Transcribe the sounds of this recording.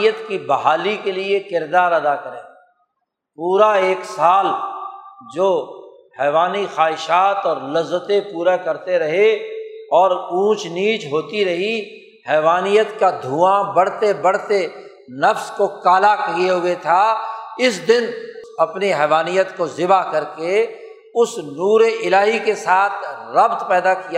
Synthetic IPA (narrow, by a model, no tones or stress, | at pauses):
jət̪kibɐɦaːlikeliekɪɾd̪aːɾɐd̪akɐɾẽː | puːɾaeːksaːl | d͡ʒoː | hɛːʋaːnixaːɦɪʃaːt̪ɔːɾlɐzːət̪ẽpuːɾakɐɾt̪eɾɐɦeɔːɾũːt͡ʃniːt͡ʃɦoːt̪iɾɐɦi | hɛːʋaːnijət̪kad̪ʱuːãbɐɽ̤t̪ebɐɽ̤t̪e | nɐfskokaːlakeɦʊet̪ʰaɪsd̪ɪnɐpniɦɛːʋaːnijət̪kozɪbakɐɾke | ʊsnuːɾeʔɪlaːɦikesaːt̪ʰɾɐb̚t̪pɛːd̪akija